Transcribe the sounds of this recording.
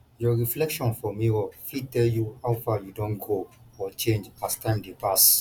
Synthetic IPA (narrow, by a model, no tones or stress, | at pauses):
jɔɹiflɛkʃɔ̃nfɔmiɔfitɛljuhawfajudõnɡoɔt͡ʃẽnd͡ʒastãɪ̃mdepas